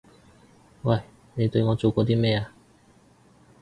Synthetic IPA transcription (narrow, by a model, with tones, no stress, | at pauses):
wɐ˥˩j | ne˨˧jt̪ɵ˧ɥŋɔː˨˧t͡so˨˩wkʷɔː˧t̪̬iː˥mɛː˥˩a˨˧